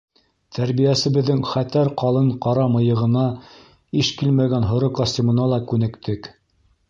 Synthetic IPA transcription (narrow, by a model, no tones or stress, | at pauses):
t̪ʰæɾbijæsɘ̆βɘ̆ðːɘŋχæt̪æɾqɑlˠɤɴqɑɾɑmɤ̆jɤ̆ʁɤ̆nɑ | iʃkilmæɡænɦŏɾokɑsʲtʲimɤ̆nɑlˠɑkʉnɘ̆kt̪ʰɘk